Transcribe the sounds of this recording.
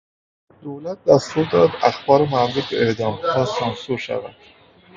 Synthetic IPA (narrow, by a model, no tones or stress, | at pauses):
d̪̥oːlæt̪̚d̪æst̪uɾd̪ɒːd̪æxbɒːɾemaɾdibeʔeʔd̪ɒːmæsɒnsuɾʃæ̰væ̰d̪̥